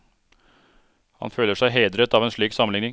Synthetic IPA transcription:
hɑ̰nføːləʂæɪɦeːd̪ɾət̪ɑːʋeːnʂɭiːksɑmənɪŋnɪŋ

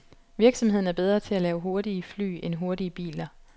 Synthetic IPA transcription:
ʋiɐɡ̥sɒ̽mhe̝ð̰ˠn̩æɐbeð̞ˠʁɐːt͡sʰe̝ælɛːʊɦo̝ɐɾiəfly̰ːenɦo̝ɐɾiəb̥ḭːlɐ

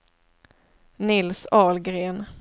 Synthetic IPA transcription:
nɪlsɑːlɡɾeːn

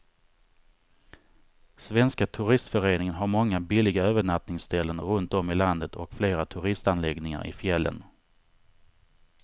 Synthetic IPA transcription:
svɛnskat̪ʰɵɾɪst̪fœɾeːnɪŋənɦaɾmɔŋːabɪlɪɡaøːvəɳat̪nɪŋsd̪ɛlːənɾɵnt̪̚ɔmɪland̪ət̪ʰɔ̰kfleːɾat̪ʰɵɾɪst̪anlɛɡnɪŋa̰ɾɪ̰fjɛlːə̰n

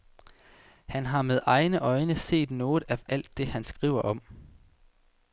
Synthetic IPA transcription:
hænɦɑ̈með̞ˠʔɑ̈ɪnəʔɒ̽ɪnəse̝̰ːd̥nɔ̽ːð̞̩ˠææl̰d̥ːe̝hænsɡ̥ʁḭːʊɐʔɒ̽m

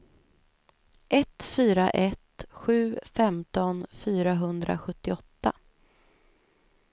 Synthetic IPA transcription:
ʔɛt̪fyːɾaʔɛt̪ɧʉ̟ːfɛmt̪ɔnfyːɾaɦɵnd̪ɾʔa̰ɧɵt̪ːɪɔt̪ːa

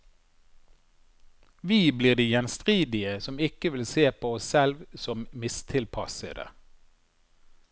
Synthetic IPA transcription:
ʋiːbliːʁd̪iːjɛnst̪ʁiːd̪ɪəsɔmɪkəʋɪlseːpʰoːɔssɛlʋsɔmmɪst̪ʰɪlpʰɑsə̰d̪ə̰

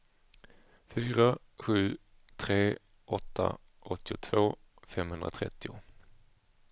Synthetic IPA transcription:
fyːɾa | ɧʉ̟ː | t̪ʰɾeː | ʔɔt̪ʰːa̰ | ʔɔt̪ːɪʊt̪ʰv̥oː | fɛmhɵnd̪ɾa̰t̪ʰɾɛ̰t̪ːɪʊ

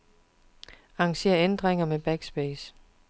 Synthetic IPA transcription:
ɑ̈ŋɕe̝̰ːɐend̥ʁeŋɐmeb̥æɡ̥sb̥eːs

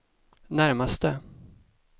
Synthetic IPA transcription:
næɾmast̪ə

